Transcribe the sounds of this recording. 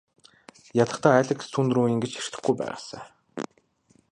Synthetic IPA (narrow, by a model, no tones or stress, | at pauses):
jat̪ə̆χt̪ʰaːæːɮʲɘ̆ksʰunt̪ruːjiŋɡet͡ɕxer̥t̪ɘ̆χɡujpæ̰ːʁa̰ːsə̰ː